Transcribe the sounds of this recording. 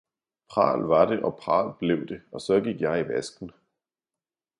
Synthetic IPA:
pʰʁɑ̰̈ːlʋɑ̈ɾ̥e̝ʔɒ̽pʰʁɑ̰̈ːlb̥le̝ʊ̰d̥e̝ɒ̽sɒ̽ɡ̥iɡ̥jɑ̈ɪiʋæsɡ̥n̩

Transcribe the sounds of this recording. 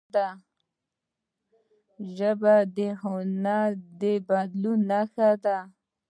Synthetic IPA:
t̪a | ʒəbad̪ehonad̪ebad̪lunːaxat̪a

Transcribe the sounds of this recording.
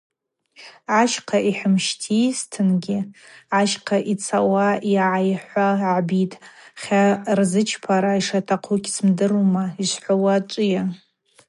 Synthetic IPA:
ʕaʃqʰaʔiħəmʃtʰistʰɨnɡʲɪʕaʃqʰaʔit͡sʰawaiʕajħʷaʕbitʼχʲarzɨt͡ʃʰpʰaɾaiʂatʰaqʰukʲʰʼsmdɨrumaiʃʷħʷawat͡ʃʷʼɪja

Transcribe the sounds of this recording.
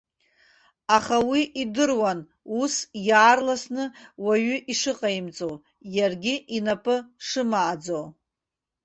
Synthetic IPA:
aχawiʔidɨrwan | usjaːrlasnɨwaɥʏʔiʂɨqʼaimt͡sʼow | jarɡʲiʔinapʼɨʂɨmaːd͡zow

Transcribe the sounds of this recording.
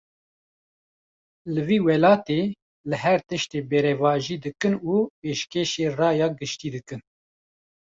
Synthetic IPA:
lɨviːwɛlɑːt̪eː | lɨɦɛɾt̪ɨʃt̪eːbɛɾɛvɑːʒiːd̪ɨkɨnuːpeːʃkeːʃeːrɑːjɑːɡɨʃt̪iːd̪ɨkɨn

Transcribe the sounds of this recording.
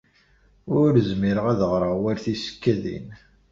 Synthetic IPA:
ʊɾəzmiɾəʁæðəʁɾˤəwæɾθisə̥kːæðḭn

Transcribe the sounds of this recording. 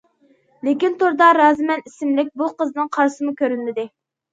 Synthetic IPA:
lɪkʲint̪oɾd̪ɑɾɑːzmɛnisɪmlɪk̚ʲbuqəznɨŋqʰɑɾsɨmukʲʰøɾynːɪd̪ɪ

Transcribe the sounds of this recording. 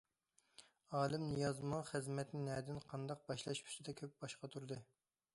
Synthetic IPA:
ɑːlˠɨmnjɑzmɑŋχɨzmɛt̪nɪnɛːd̪ɪnqʰɑnd̪ɑq̚bɑʃlˠɑ̰ʃpʰy̥st̪ɪd̪ɛkʲʰøp̚b̥ɑʃqɑt̪ʰuɾɨd̪ɨ

